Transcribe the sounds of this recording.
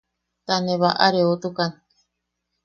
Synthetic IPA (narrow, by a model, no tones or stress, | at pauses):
t̪anẽβaʔa̰ɾeot̪ukan